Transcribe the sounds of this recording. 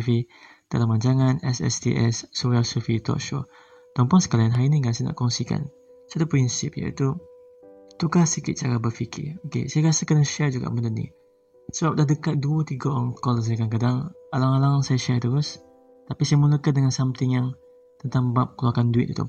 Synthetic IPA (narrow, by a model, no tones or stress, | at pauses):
fi | d̥a̰lamand͡ʒaŋanɛ̰sɛ̰st̪ḭʔɛ̰sːowalsufit̪ɔ̰ʔʃɔ̰ | t̪ɔmpɔŋsə̥kalajanɦainiŋɡasana̰ʔkɔŋsika̰n | soat̪upɾinsɪp̚ja̰ḭt̪u | t̪ukasikɪt̪̚t͡ʃaɾabəfikʰɪ̰okḛsajakasɪkənəʃɛrd͡ʒuɡa̰ʔbənt̪ʊt̪̚nḭ | səbap̚dahdəkat̪̚duət̪iɡaɔŋkɔls̬ajakank̬adaŋalaŋalaŋsajaʃɛrt̪uɾʊs | t̪apisajəmuləkandəŋansamt̪ɪŋjaŋ | t̪ənt̪aŋbap̚kəluakanduɪt̪̚ut̪ṵ